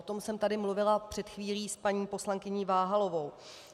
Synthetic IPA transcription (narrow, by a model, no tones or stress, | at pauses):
ot̪o̞msɛmt̪adɪmluvɪlapr̥ɛt̪xviːliːspaɲiːpo̞slaŋkɪɲiːvaːɦalo̞vo̞w